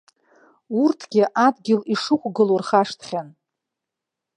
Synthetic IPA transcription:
urtʰɡʲɪʔadɡʲɪliʂɨχʷʼɡɨlorχaʂtʰχʲan

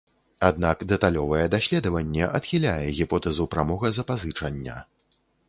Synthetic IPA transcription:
ad̪̚nakd̪ɛt̪alʲɔvɐjɛd̪asʲlʲɛd̪ɐvɐnʲːɛʔɐt̪xʲilʲajɛɣʲipɔt̪ɐzupɾamɔɣɐzɐpazɨt͡ʂɐnʲːɐ̰

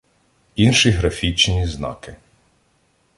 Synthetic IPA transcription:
inʃiɦɾɐfʲit͡ʃnʲiznɑ̰kɪ

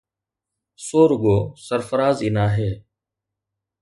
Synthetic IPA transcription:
soːɾʊɠoːsəɾfəɾaːziːnaːɦeː

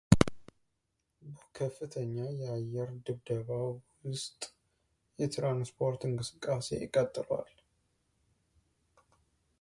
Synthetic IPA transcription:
bəkʰəfːɨt̪ʰəɲːajɛajɛɾd̪ɨβd̪əβawwʊst̪ʼ | jɛt̪ɾanspʰo̞ɾt̪ɨŋkʼɨsɨ̥kʼːase̞̰jɪ̰kʼət̪ʼːɨlwa̰l

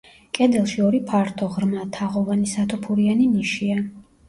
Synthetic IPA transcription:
kʼɛd̪ɛlˠʃiɔɾipʰaɾt̪ʰɔʁɾmat̪ʰaʁɔvanisat̪ʰɔpʰuɾianiniʃia

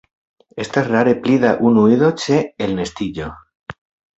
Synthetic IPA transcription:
est̪eraɾepliðaʔunuiðot͡ʃeelne̞st̪iʎo

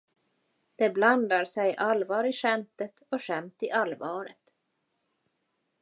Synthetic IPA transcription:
d̪̥ɛbland̪aɾsɛjʔalvɑːɾɪʂɛmt̪ət̪ɔʂɛmt̪ɪʔalvɑːɾə̰t̪

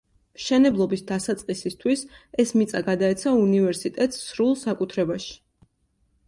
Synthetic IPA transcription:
mʃɛnɛblˠɔbisd̪asat̪sʼqʼisist̪ʰwisɛsmit̪sʼaɡad̪aɛt̪sʰaunivɛɾsit̪ʼɛt̪ʼsːɾulˠsakʼut̪ʰɾɛbaʃi̥

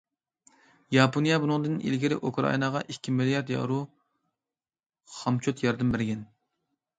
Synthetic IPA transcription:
jɑponijɑbunɨŋd̪ɨnḭlɡʲiɾɪʔokʰɾɑ̰inɑʁɑʔikʲʰːimilijɑɾd̪jɑ̰ɾu | χɑmt͡ʃʰot̪jɑɾd̪ɪmbɪɾɡʲɛn

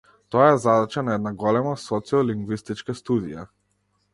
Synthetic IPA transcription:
t̪ɔaɛzad̪at͡ʃanaɛd̪naɡɔlɛmasɔt̪siɔliŋɡvist̪it͡ʃkast̪ud̪ija̰

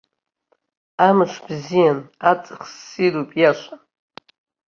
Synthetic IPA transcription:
amɨʂʰʷbzijanat͡sʼɨχsːiɾupʼjaʃʷa

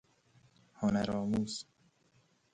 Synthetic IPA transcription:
hʊnaɾɔːmuːs

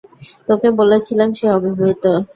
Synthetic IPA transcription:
t̪okebolet͡ɕʰilamʃeɔbiɦoit̪o

